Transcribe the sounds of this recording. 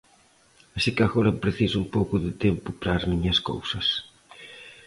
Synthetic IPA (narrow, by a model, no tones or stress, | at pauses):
ɐsikaɣoɾɐpɾeθisuumpowkʊðɪt̪empʊpɾazmiɲɐsko̰wsɐs